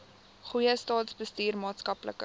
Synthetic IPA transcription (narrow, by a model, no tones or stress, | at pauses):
χujəstɑːtsbəstyːrmɑːtskɐplə̰kə